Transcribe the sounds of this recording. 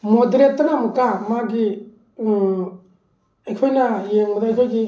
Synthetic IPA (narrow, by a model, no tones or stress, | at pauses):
mɔd̪ɾetːanamɯkamaɡi | ejkʰɔjnajeŋmɯdajkʰɔjɡi